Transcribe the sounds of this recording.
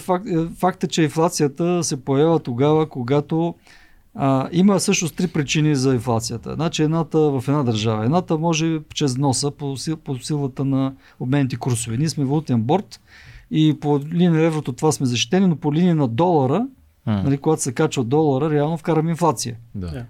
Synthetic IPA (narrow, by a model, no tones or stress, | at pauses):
fakfakt̪ət͡ʃɛinflˠat̪sijət̪əsɛpojɛjavət̪oɡavəkoɡat̪o | əiməsɤʃnost̪ɾipɾit͡ʃinizɐinflˠat̪sijət̪ə̰at͡ʃɛɛd̪nat̪əvɐfɛd̪nad̪əɾʒavə̰ɛd̪nat̪əmɔʒɛbit͡ʃɾɛzvnɔsəposiposilˠət̪ənɐ | obmɛnit̪ikuɾsovɛniɛsmɛvolˠut̪ɛnbɔɾt̪ | ipolininɐɾɛvɾot̪ot̪ovasmɛzɐʃt̪i̥t̪ɛninopoliniːnɐd̪ɔlˠɐɾə | nɐlikoɡat̪o̥sɛkat͡ʃvəd̪ɔlˠɐɾəɾɛalˠnofkaɾəmɛinflˠat̪sijə